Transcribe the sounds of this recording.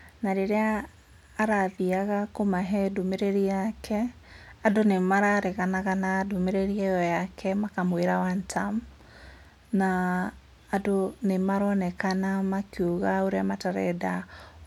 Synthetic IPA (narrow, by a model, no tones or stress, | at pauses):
naɾeɾeaː | ɾaðiaɣakomaɦɛdomeɾeɾiakʰɛ | adonemaɾaɾeɣanaɣanadomeɾeɾiɛjɔjakʰɛmakamweɾawantʰam | naː | donemaɾɔnɛkanamakiuɣaoɾeamataɾɛ̰da